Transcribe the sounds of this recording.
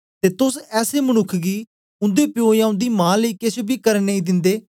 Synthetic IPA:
t̪eːt̪ʊsɛːseːmənʊkʰɡiː | ʊ̃nd̪eːpɪjoːjãːʊ̃nd̪iːmãːləiːkesbiːkəɾneiːd̪ɪ̃nd̪eː

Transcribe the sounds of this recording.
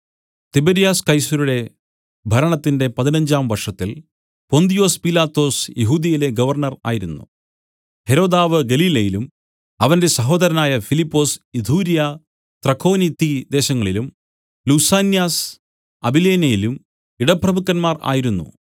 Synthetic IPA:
t̪ibeɾijaːskɐjsɐɾuɽe̞ | bʱɐɾɐɳɐt̪ːinde̞pɐðinɐɲd͡ʑaːmʋɐrʂɐt̪ːil | po̞nd̪ijo̞ːspilaːt̪ːo̞ːsjeɦuːd̪jɐjile̞ɡɐʋɐrɳɐra̰ːjiɾunːṵ | he̞ɾo̞ːd̪aːʋɨɡɐliːlɐjilum | ɐʋɐnde̞sɐɦo̞ːd̪ɐɾɐnaːjɐfilipːo̞ːsid̪ʱuːɾija | t̪rɐkʰːo̞ːnit̪ːid̪e̞ːɕɐŋːɐɭilum | lusaːnjaːs | ɐbileːnɐjilum | iɽɐprɐmukːɐnmaːra̰ːjiɾunːṵ

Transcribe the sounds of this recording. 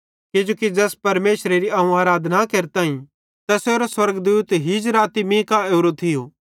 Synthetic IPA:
kɪd͡ʒoːkid͡ʒɛːspɐɾmeːsɾeɾiaːũaːɾaːd̪ʱnakeːɾt̪aːĩ | t̪ɐseoːɾoswɐɾɡd̪uːt̪ɦid͡ʒɾaːt̪imĩkaeːɾot̪ʰɪjoː

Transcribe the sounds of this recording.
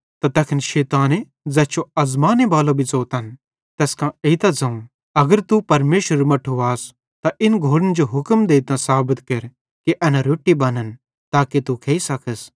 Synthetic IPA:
t̪at̪ɐkʰənʃɛːt̪aːne | d͡zɛːt͡ʃoɐzmaːnebaːlobʱit͡soːt̪ɐn | t̪ɛːskãeit̪ãd͡zɐ̃ũ | ɐɡəɾt̪upɐɾmeːʃɾəɾmɐʈʰːuaːs | t̪aʔɪnɡʱoːɾənd͡ʒoɦʊkmd̪eːit̪ãsaːbət̪kɐɾ | kiʔɛːnãɾoːʈːibɐnən | t̪aːkit̪ukʰeːisɐkʰəs

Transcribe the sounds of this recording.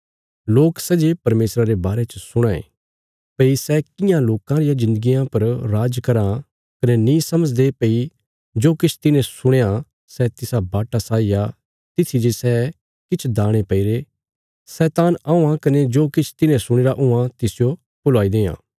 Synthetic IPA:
loːksɛd͡ʒepɐɾmeːsɾaɾebaːɾet͡ʃəsʊɽ̃ãḛ̃ː | pɐisɛkɪjãloːkãɾɪjãzɪ̃nd̪əɡijãpɐɾɾaːd͡ʒkɐɾã | kɐnenĩːsɐməd͡ʒd̪epei | d͡ʒoːkɪt͡ʃʰt̪ɪnẽsʊɽ̃eːã | sɛt̪ɪsabaːʈasaːija | t̪ɪt̪ʰid͡ʒesɛː | kɪt͡ʃʰd̪aːɽ̃epɐiɾe | sɛːt̪aːnaũãkɐned͡ʒoːkɪt͡ʃʰt̪ɪnẽsʊɽ̃eːɾaʔʊãt̪ɪsɪjo | pʊlaːid̪eːã̰ː

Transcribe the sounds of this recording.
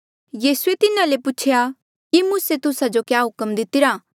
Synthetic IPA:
jiːsuet̪ɪnãlepʊt͡ʃʰeja | kimuːset̪ʊsad͡ʒokjaːɦʊkəmd̪ɪt̪ɪɾaː

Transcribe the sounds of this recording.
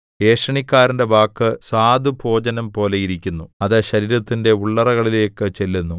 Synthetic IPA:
e̞ːʂɐɳikʲːaːɾinde̞ʋaːkːɨsaːd̪ʱubʱo̞ːd͡ʑɐnɐmpo̞ːle̞jiɾikʲːunːuɐðɨɕɐɾiːɾɐt̪ːinde̞uɭːɐrɐɣɐɭile̞ːkːɨt͡ɕe̞lːunːu

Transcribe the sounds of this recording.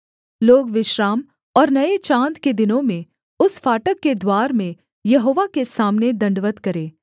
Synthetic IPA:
loːɡʋɪʃɾaːm | ɔːɾnɐet͡ʃãːnt̪ked̪ɪnõmẽ | ʊsfaːʈəkːed̪waːɾmẽ | jɐɦoːʋakesaːmned̪ɐ̃ɳɖʋət̪kɐɾeː

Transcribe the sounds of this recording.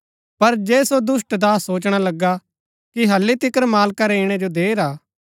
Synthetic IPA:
pɐɾd͡ʒɛːsod̪ʊsʈd̪aːsːoːt͡ʃɽ̃alɐɡːa | kiɦɐlːit̪ɪkəɾmaːlkaɾɛɪɽ̃ɛd͡ʒod̪eːɾaː

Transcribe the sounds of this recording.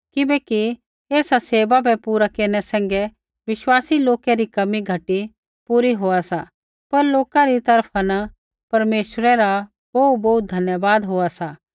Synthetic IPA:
kɪbɛːki | eːsaseːʋabɛpuːɾakeːnɛsɛ̃ːŋɡɛ | ʋɪʃwaːsiloːkɛɾikɐmiɡʱɐʈi | puːɾiɦoːasa | pɐɾloːkaɾit̪ɐɾpʰanɐ | pɐɾmeːʃɾɛɾa | bɐut̚bɐut̪̚d̪ʱɐnjəbaːd̪ɦoːasaː

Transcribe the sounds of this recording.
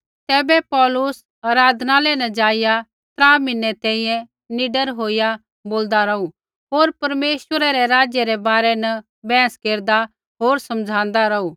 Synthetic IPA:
t̪ɛːbɛpɔːlʊs | ɐɾaːd̪ʱnalɛnɐ̃d͡ʒaːɪja | t̪ɾaːmɪnːɛt̪ɛ̃ːĩjɛ̃ | nɪɖəɾɦoːɪja | boːld̪aɾɐu | ɦoːɾpɐɾmeːʃwəɾaɾɛɾaːd͡ʒjəɾɛbaːɾɛnɐ | bɛ̃ːskeːɾd̪a | ɦoːɾsɐmd͡ʒʱãːnd̪aɾɐuː

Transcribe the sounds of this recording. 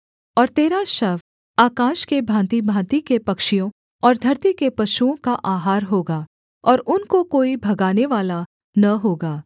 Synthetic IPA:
ɔːɾt̪eːɾaʃɐʋ | aːkãːʃkebʱãːnt̪ibʱãːnt̪ikepɐkʃijõ | ɔːɾd̪ʱɐɾt̪ikepɐʃuõkaʔaːɦaːɾɦoːɡaː | ɔːɾʊnkokoːibʱɐɡaːneʋaːla | nɐɦoːɡaː

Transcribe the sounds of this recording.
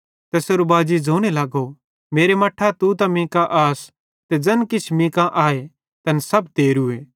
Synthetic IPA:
t̪ɐseːɾobaːd͡ʒid͡zoːɽ̃elaːɡo | meːɾemɐʈʰat̪ut̪ãmɪ̃ːkaʔaːs | t̪ed͡ʒɐnkɪt͡ʃʰmɪ̃ːkãʔaːe | t̪ɐnsɐbt̪eːɾʊeː

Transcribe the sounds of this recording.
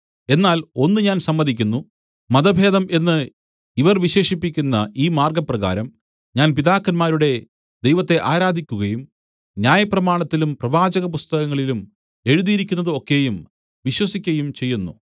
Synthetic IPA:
e̞nːaːlo̞nːɨɲaːnsɐmːɐd̪ʱikʲːunːu | mɐd̪ɐbʱe̞ːðɐme̞nːɨ | iʋɐrʋiɕe̞ːʂipːikʲːunːɐiːmaːrɡɐprɐɣa̰ːɾɐm | ɲaːnpiðaːkːɐnmaːɾuɽe̞ | d̪e̞jʋɐt̪ːe̞ʔaːɾaːd̪ʱikʲːuɣɐjum | njaːjɐprɐmaːɳɐt̪ːilumprɐʋaːd͡ʑɐɣɐp̬ust̪ɐɣɐŋːɐɭilum | e̞ɻuðijiɾikʲːunːɐðɨo̞kːe̞jum | ʋiɕwɐsikʲːɐjumt͡ɕe̞jːunːu

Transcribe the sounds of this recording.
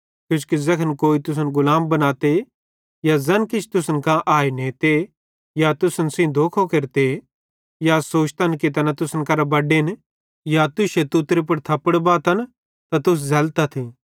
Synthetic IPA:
kjʊt͡ʃʰkizɐkʰənkoːit̪ʊs̬ənɡʊlaːmbɐnaːt̪e | jazɐnkɪt͡ʃʰt̪ʊsənkãʔaːenẽːt̪e | jat̪ʊsənsĩd̪ʱoːkʰokɐɾt̪e | jasoːt͡ʃʰt̪ankit̪̬ɐnat̪ʊsənkɐɾabɐɖen | jat̪ʊʃet̪ut̪ɾep̬ɐɽt̪ʰɐpəɽbaːt̪ɐn | t̪at̪ʊs̬zɐlt̪at̪ʰi

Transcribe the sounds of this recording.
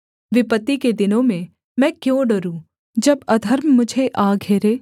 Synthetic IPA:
ʋɪpət̪ːiked̪ɪnõmẽ | mɛ̃ːkjõːɖəɾũ | d͡ʒɐbɐd̪ʱəɾmːʊd͡ʒʱeʔaːɡʱeːɾeː

